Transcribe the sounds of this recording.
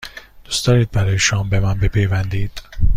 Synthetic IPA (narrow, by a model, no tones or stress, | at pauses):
d̪̥usd̪̥ɒːɾiːd̪̚bæɾɒːjeʃoɒmbemænbepʰejvænd̪iːd̪̥